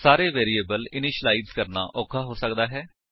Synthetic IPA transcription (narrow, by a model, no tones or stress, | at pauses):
saːɾeːʋeːɾiːeːbəlɪniːʃlaːidzkəɾna̰ːʔɔːkʰaːɦoːsək̚d̪aːɦɛː